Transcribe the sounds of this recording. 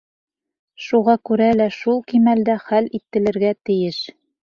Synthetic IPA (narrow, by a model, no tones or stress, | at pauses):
ʃuʁɑkʉɾælæʃulˠkimæld̪æχælit̪ːɘ̆lɘ̆ɾɡæt̪ɘ̆jɘʃ